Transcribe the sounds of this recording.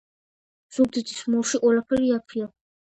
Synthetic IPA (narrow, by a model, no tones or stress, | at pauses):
z̥ubd̪id̪ʰismuɾʃiqʼwɛlapʰɛɾiapʰia